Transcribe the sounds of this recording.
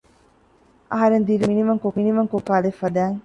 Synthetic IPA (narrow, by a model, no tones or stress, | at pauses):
ʔɐɦɐɾend̪iɾiinimɐŋkoinimɐŋkokaːlefːɐd̪æːŋ